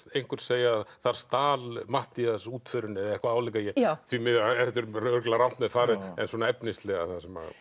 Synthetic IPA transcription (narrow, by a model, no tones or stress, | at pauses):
ejŋ̥kʏɾ̥seːjaðθaɾ̥st̪aːlmaht̪iasuːt̪fœɾʏnːɛðaɛhkvaaːwlɛkajɛθvimɪðɛt̪ːʏɾœɾklaɾawn̥t̪mɛðfaːɾɪɛ̰nswɔnaɛpnɪst̪lɛɣaθasɛma̰